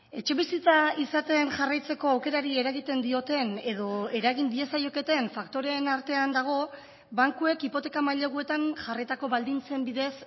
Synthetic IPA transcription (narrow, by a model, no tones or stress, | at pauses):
e̞t͡ʃe̞βisit͡saisat̪e̞nʝarajt͡se̞ko̞awke̞ɾaɾie̞ɾaɣit̪e̞nd̪io̞t̪e̞ne̞ðo̞e̞ɾaɣ̞ind̪ie̞sajo̞ke̞t̪e̞ɱfakt̪o̞ɾe̞naɾt̪e̞and̪aɣ̞o̞ | βaŋkue̞kipo̞t̪e̞kamajʎe̞ɣue̞t̪anʝarit̪ako̞βald̪int͡se̞mbiðe̞s